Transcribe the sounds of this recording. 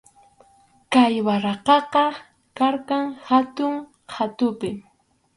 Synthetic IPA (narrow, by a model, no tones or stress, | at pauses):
kajwaɾɑqɑqɑ | kaɾkaŋhat̪ʊŋ | hat̪ʊpɪ